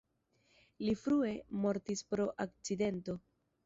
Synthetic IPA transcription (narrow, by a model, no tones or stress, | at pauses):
lifɾue̞mo̞ɾtispɾo̞ʔak̚t͡side̞nto̞